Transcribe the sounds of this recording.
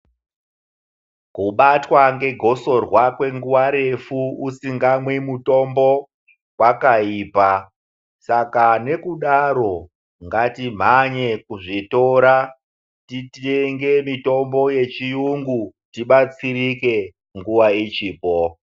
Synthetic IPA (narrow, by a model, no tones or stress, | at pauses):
kuɓatwaŋɡe̞ɡʱo̞so̞rwakwe̞ŋɡuwaɾe̞fuusiŋɡamwemuto̞mbo̞ | wakaiːpa | sakane̞kuɗaɾo̞ | ŋɡatim̤aɲe̞kuʐito̞ɾa | titeŋɡe̞mito̞mbo̞je̞t͡ʃijuŋɡutiɓat͡sirike̞ | ŋɡuʋait͡ʃiːpo